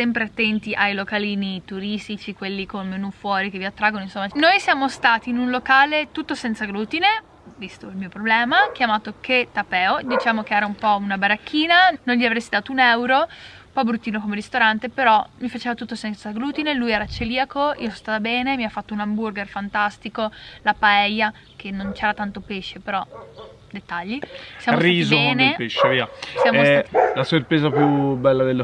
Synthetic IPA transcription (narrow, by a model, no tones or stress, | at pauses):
sɛmpɾeat̪ːɛnt̪iʔajlokaliːnit̪uɾist̪it͡ʃikwelːikomemenufwɔːɾikevːiat̪ːɾaɡːonoinsomːanojsjaːmost̪aːt̪iːnunlokaːlet̪ut̪ːosɛnt̪saɡɾuːt̪ine | vist̪oilmiːopɾoblɛːmak̟jamaːt̪oket̪apɛːod̪it͡ʃaːmok̟eɛːɾaumpɔunabaɾakːiːnanonʎiavɾesːid̪aːt̪ounɛwɾo | pɔjbɾut̪ːiːnokomeɾist̪oɾant̪epeɾɔmifat͡ʃeːvat̪ut̪ːosɛnt̪saɡɾuːt̪inelujɛːɾat͡ʃeliːakoḭosst̪aːt̪abɛːnemiafːat̪ːounamburɡerfant̪ast̪ikolapaɛjːa | kenːõnt͡ʃɛːɾat̪ant̪opeʃːepeɾɔ | d̪et̪ːaʎːisjamoraizioɛːnepeʃːeviːasjammlasorpɾeːzapjubɛlːad̪el